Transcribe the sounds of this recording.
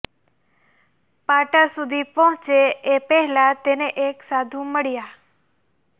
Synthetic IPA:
paʈasud̪ʱipɔ̃ɦt͡ʃeepɛɦɛlat̪eneʔeksad̪ʱũməɭja

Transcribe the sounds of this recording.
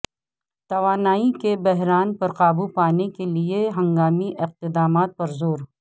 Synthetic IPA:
t̪ɐʋaːnaːikebɛɦɾaːnpɐɾqaːbupaːnekelieɦɐ̃ŋɡaːmiʔɪq̚t̪ɪd̪aːmaːt̪̚pɐɾzoːɾ

